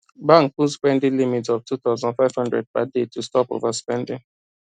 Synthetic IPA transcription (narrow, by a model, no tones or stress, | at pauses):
bãŋkũspɛ̃ndĩlimitɔvtuθaʊzãnfaɪv̥hʌ̃ndɹɛ̰d̚padetʰustɔpo̰vaspɛ̃ndɪ̃ŋ